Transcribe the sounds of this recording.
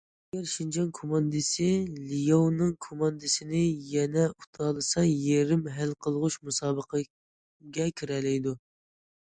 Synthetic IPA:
ɛɡʲɛɾʃind͡ʒɑnkʰomɑnd̪ɨsɪlijownɨŋkʰomɑnd̪ɨsɪnɪjɛnɛut̪ʰɑːlˠɨsɑjeɾɪmɦælqʰəlˠʁʊʃmusɑːbəqʰə | ɡʲɛkʲʰyɾɛlɛjd̪u

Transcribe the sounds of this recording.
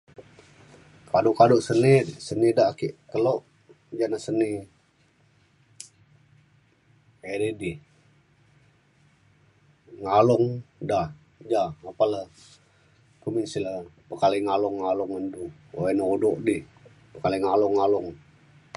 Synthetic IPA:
kʰadʊʔkadoʔsənisənidakiʔkəloʔ | d͡ʒanasəni | eɾidi | ŋalɔŋdah | d͡ʒaapalə | kuminsiləpəkaliŋalʊŋːalʊŋəndu | oenəodoʔdi | pəkaliŋalɔŋːalʊŋ

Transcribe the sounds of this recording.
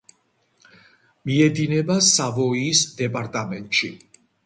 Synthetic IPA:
miɛd̪inɛbasavɔiːsd̪ɛpʼaɾt̪ʼamɛnt̪ʼʃḭ

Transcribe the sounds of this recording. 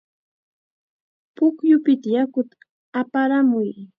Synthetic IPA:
pʊkjʊpɪt̪ajakʊt̪a | apaɾamʊj

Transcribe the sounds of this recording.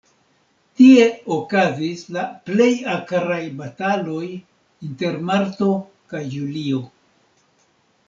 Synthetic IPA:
tie̞okazislaple̞jakaɾajbatalo̞j | inte̞ɾmaɾto̞ | kajːulio̞

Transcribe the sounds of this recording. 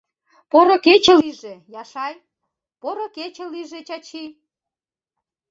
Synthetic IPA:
poɾoket͡ɕĕliʒejɑʃɑj | poɾoket͡ɕeliʒet͡ɕɑt͡ɕi

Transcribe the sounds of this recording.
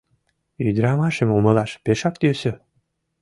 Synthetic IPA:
yd̪ɾɑmɑʃemumɤ̆lɑʃpeʃɑk̚t̪ysø

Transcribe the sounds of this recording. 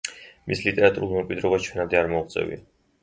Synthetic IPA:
mislit̪ʼɛɾat̪ʼuɾulˠmɛmkʼwid̪ɾɔbat͡ʃʰwɛnad̪ɛaɾmɔut̪sʼɛ̰vḭa

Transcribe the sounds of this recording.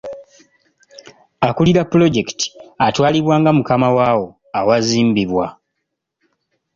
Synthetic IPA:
akuliɾapːulo̞ɟe̞kti̥atwaːliβwaːŋɡamukamawaːwo̞ | awaziːmbiβwa

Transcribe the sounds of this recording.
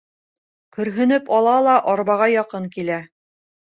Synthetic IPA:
kɵ̆ɾɦɵ̆nɵpɑlˠɑlˠɑʔɒɾβɑʁɑjɑqɤŋkilæ

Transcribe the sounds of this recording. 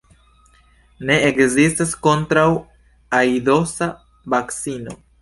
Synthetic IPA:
ne̞ekzistasko̞ntɾaw | ajdo̞sa | vaksino̞

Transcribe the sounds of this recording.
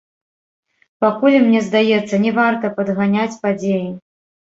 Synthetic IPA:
pakulʲmnʲɛzd̪ajɛt̪sːɐnʲɛvart̪ɐpɐd̪ɣanʲat͡sʲpad͡zʲeji

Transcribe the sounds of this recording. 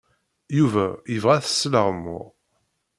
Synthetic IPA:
juvæjəvʁæθə̥sːləʁmːʊ̰ʁ

